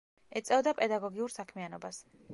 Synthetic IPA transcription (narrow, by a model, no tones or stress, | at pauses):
ɛt̪sʼɛvd̪apʼɛd̪aɡɔɡiuɾsakʰmianɔbas